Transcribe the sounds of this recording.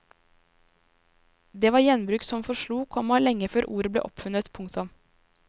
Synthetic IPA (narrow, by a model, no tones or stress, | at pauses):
d̪eːʋɑːɾjɛnbɾʉːksɔmfɔʃɭuːkʰɔmɑlɛŋːəføːɾʔuːɾəblḛːʔɔ̰pfʉnət̪pʰʊŋkt̪ʊm